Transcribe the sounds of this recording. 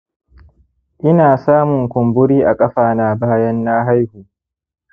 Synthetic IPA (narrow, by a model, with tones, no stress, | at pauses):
ʔɪ˦naː˨saː˦mʊ˨ŋkʷʊ˨mbʊ˦ɽiː˦ʔa˨kʼɐ˦ɸaː˨naː˨baː˦jɐ˦nːaː˦ɦa˦jhuː˨